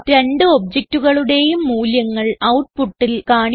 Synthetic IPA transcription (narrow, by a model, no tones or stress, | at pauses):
ɾe̞ɳɖɨob̚d͡ʑek̚tːuɣɐɭuɽe̞jumːuːljɐŋːɐɭɐwʈ̚puʈːilkaːɳ